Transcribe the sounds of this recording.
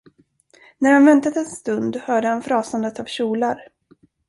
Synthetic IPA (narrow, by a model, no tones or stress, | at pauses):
næɾhanvɛnt̪at̪ɛnst̪ɵnd̪hœːɖəhanfɾɑːsand̪ət̪av̥ɕuːlaɾ